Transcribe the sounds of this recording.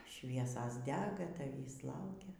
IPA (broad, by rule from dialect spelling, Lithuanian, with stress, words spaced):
ˈʃʲʋʲiɛsɐs ˈdʲæːɡɐ tɐˈʋʲiːs ˈlˠɐʊkʲɛ